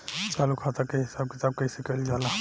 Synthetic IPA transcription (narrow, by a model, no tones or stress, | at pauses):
t͡ʃalukʰat̪akeɦɪsab̚ket̪ab̚kəisekəld͡ʒala